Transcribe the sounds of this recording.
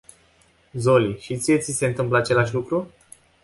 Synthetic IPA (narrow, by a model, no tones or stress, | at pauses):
zo̞liʃit̪sijet̪sise̞ɨnt̪ɨmpləat͡ʃe̞laʃ̬ʲlukɾu